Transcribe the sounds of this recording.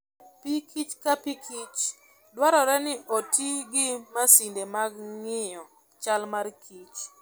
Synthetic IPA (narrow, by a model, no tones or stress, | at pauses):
pikʰit͡ʃkapikʰit͡ʃ | dwaɾɔɾɛnɪʔotʰiɡɪmasindemaɡŋɪjɔ | t͡ʃalmarkʰit͡ʃ